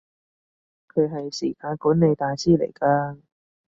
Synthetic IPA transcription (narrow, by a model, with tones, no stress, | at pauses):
kʰɵ˨˧ɦɐ˨jsiː˨˩kaː˧nkuː˨˥nne˨˧jt̪aː˨˧jsiː˥˩lḛ˨˩jkaː˧